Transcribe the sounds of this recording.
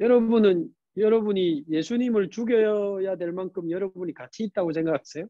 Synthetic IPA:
jʌɾʌbunɯn | jʌɾʌbuɲije̞sʰuɲimɯɭt͡ɕuɡjʌjʌjadwe̞ɭmankʰɯmjʌɾʌbuɲikat͡ɕʰiːt̚t͈aɡos̬ʰe̞ŋɡakʰas͈ʰe̞jo

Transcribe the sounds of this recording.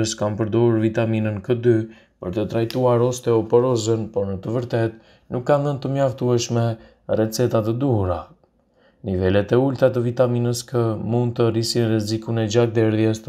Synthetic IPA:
əskanpəɾd̪ɔhuɾvit̪aminənkəd̪y | pəɾt̪ət̪ɾajt̪uaɾɔst̪ɛɔpɔɾɔzənpɔɾnət̪əvəɾt̪ɛt̪ | nukːanðənt̪əmjaft̪uɛʃmɛ | rɛt͡sɛt̪at̪əd̪uhuɾa | nivɛlɛt̪ɛult̪at̪əvit̪aminəskəmund̪̚t̪ərisinrɛzikunɛd͡ʑak̚d̪ɛɾðjɛs

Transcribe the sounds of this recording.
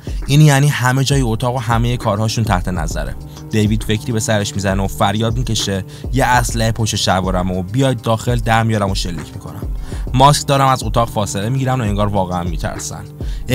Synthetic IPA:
ʔiːnjæːniːhæme̞d͡ʒɒːjiot̪ʰɒːɣoɦæme̞jekʰɒːɾhɒːʃunt̪ʰæht̪ʰe̞næ̰zæ̰ɾḛ | d̪̥e̞jviːd̪̥fe̞cʰɾiːbe̞sæɾe̞ʃmizæneofæɾjɒːd̪̚mice̞ʃe̞ | jeʔæslæhepʰoʃeʃævɒːɾæmobijɒːjd̪̚ːɒːxe̞ld̪æɾmijɒɾæmo̞ʃe̞lːḭːcʰmikʰo̞̰næ̰mːɒːskd̪ɒːɾæmæzo̞t̪ʰɒːɣfɒːse̞le̞miɟiːɾæmd̪oeŋɡɒːɾvɒːɣeænmiːt̪ʰæ̰ɾsæ̰n

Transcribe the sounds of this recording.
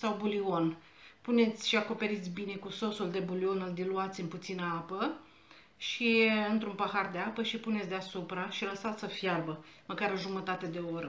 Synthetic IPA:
sawbulio̞n | pune̞t̪sʲʃiako̞pe̞ɾit̪sʲbine̞kuso̞suld̪e̞bulio̞nuld̪iluat̪sʲɨmput̪sinəapə | ʃiɨnt̪ɾumpəhard̪eapəʃipune̞t̪sʲd̪easupɾaʃiləsat̪sʲəfjarbəməkaɾɨʒumət̪at̪e̞d̪e̞o̞ɾə

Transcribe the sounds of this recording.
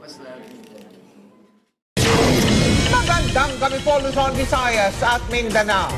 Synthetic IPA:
mɐɡɐnd̪aŋɡɐmɪpolʊsonbɪsajɐsɐt̪̚mɛnd̪ɐna

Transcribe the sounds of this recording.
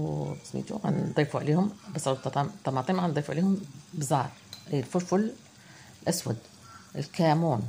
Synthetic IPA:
wt̪ɑ̥smḭːt̪ṵʕa̰nd̪ˤiːfuʕa̰leːhʊmbɑsˤɑlt̪ɑt̪ɑmt̪ˤːɑmɑːt̪ˤiːmʕand̪ˤiːfuʕleːhʊmbɨzˤɑːɾˤ | hiːɪlfʊɾfʊl | lʔaswad̪ | ʔɪlkaːmuːn

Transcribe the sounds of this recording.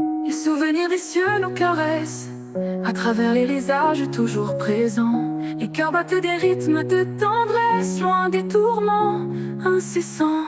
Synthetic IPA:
lesuvəniʁd̪esjønukaʁɛs | at̪χavɛʁleʁizaʒt̪uʒuʁpχezɑ̃lekaʁbat̪ed̪eʁit̪məd̪ət̪ɑ̃d̪ʁɛslwɛ̃d̪et̪uʁmɑ̃ | ɛ̃sesɑ̃

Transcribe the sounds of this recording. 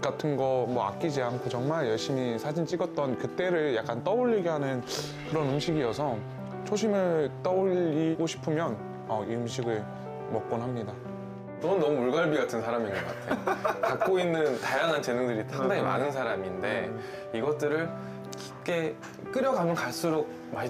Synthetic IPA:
k͈atʰɯnɡʌmwʌa̰k͈̚id͡ʑiɦaŋkʰot͡ɕʌŋmaɭjʌɭɕ͈imisʰad͡ʑint͡ɕ͈iɡʌt̚t͈ʌnkɯt͈e̞ɾɯɭjak͈ant͈ʌbuʎːiɡiɦanɯn | kɯɾʌnɯmɕʰiɡiʌsʰʌ | t͡ɕʰoɕʰimɯɭt͈ʌoʎiɡoɕʰi̥pʰɯmjʌn | ʌiɯnɕʰiɡɯɭ | mʌk̚k͈onɦamɲida | nʌnɯnʌmuuɭɡaɭbiɡatʰɯnsʰaɾaminɡʌk͈a̰tʰekak̚k͈oinːɯntajaŋɦant͡ɕenɯŋdɯɾisʰaŋdaŋima̰nɯns̬ʰaɾaminde̞ | iɡʌtt͈ɯɾɯɭ | ki̥pk͈e̞ | k͈ɯɾjʌɡamjʌnkaɭs͈uɾok̚ | ma

